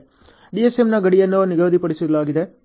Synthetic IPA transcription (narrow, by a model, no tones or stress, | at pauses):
ɖiesemnɐɡɐɽijenːoʋniɡɐʋd̪ipɐɽisud̪laːɡid̪e